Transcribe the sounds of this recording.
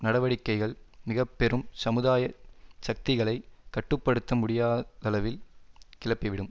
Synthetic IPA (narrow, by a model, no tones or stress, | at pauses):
nɐɽɐʋɐɽɪkːɐɪɣɐɭmɪɣɐpːɛɾɯmsɐmɯðaːjɐsɐk̚t̪ɪɣɐɭɐɪkːɐʈːɯpːɐɽɯt̪ːɐmʊɽɪjaːðɐlɐʋɪlkɪlɐpːɪʋɪɽɯm